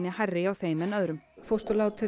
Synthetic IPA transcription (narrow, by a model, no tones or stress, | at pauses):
nɪharːɪawθeːjmɛnœðɾʏmfowst̪ɔlawt̪ʰɪ